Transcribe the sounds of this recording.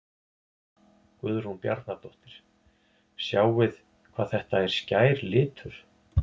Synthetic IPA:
kvʏðʏɾ̥hunpja̰ɾt̪nat̪ɔht̪ɪɾ̥ | sjaːwvɪð | kʰvaːðθɛht̪aɛɾ̥scaːjɾlɪːt̪ʰʏɾ̥

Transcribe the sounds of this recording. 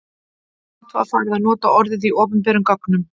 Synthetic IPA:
t̪va̰faːjɾɪðaðnɔːt̪aɔɾðɪðiɔːpʏmpɛːɾʏmkaknʏm

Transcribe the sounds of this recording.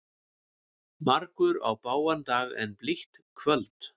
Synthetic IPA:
maɾkʏɾa̰wpaːwant̪aːɣɛ̰npliht̪kʰvœlt̪

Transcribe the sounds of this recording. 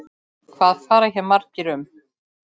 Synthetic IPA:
kʰvaːðfaːɾaçɛmaɾ̥cɪɾʏm

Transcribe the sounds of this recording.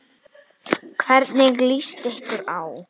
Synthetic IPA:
kʰvɛɾt̪nɪɣlist̪ehkʏɾaw

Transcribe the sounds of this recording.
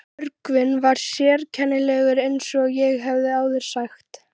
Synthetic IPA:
œɾkvɪnvaɾ̥sjɛːɾcʰɛnːɪlɛːɣʏɾejnsɔɣjɛɣɦɛvðɪaːwðɪɾ̥saxt̪

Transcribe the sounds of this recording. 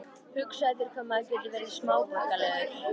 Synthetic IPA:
hʏksajðʏɾ̥kʰvamːaðcɛt̪lɪvɛɾðɪ̥smaːwvahkalɛːɣðʏɾ̥

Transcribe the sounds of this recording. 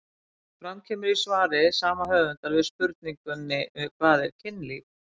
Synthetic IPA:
fɾamcʰɛːmʏɾisvaːɾɪsaːmahœːvʏnt̪alvɪðspʏɾt̪̚niŋkʏnːɪkʰvaːðɛɾ̥cʰɪnli

